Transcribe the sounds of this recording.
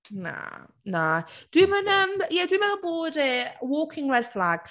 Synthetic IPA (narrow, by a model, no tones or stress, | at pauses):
na̰ | nad̥wimɛ̃nəmjɛdimɛ̃nəbɔdɛwɔːkʰɪ̃ŋɹɛdflaɡ̥